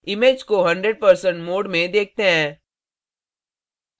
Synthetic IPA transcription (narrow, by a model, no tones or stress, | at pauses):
ɪmeːd͡ʒkoɦɐ̃ɳɖɾeɖ̚pɐɾsə̃ɳʈmoːɖmẽd̪eːk̚ʰt̪eɦɛ̃ː